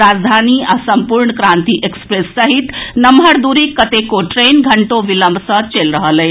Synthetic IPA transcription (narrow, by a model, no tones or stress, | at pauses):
ɾad͡zd̪ʱaniasəmpuɾɳkɾãnt̪iʔekspɾesːəɦit̪nəmbʱəɾd̪uɾikət̪ekoʈɾenɡʱəɳʈoʋiləmbʱsə̃t͡ʃelɾəɦələj